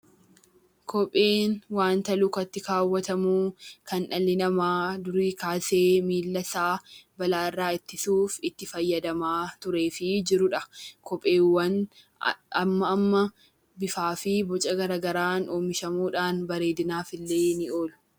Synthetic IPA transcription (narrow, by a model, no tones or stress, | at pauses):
kʰɔpʼːe̞ːnwaːnt̪ɐlʊkɐt̪ːɪkaːwːɐt̪ɐmuːkɐnᶑɐlːɪnɐmaːd̪ʊɾiːkaːse̞ːmiːlːɐsaːbɐlaːɪrːaːɪt̪ːɪsuːfɪt̪ːɪfɐjːɐd̪ɐmaːt̪ʊɾe̞ːfɪd͡ʒɪɾʊᶑɐkɔpʼːe̞ːwːɐn | ɐmːɐːmːɐ | bɪfaːfɪbɔt͡ʃʼɐɡɐɾɐɡɐɾaːnʔoːmɪʃɐmuːᶑaːnbɐɾe̞ːd̪ɪnaːfɪlːeːnɪo̞ːlʊ̥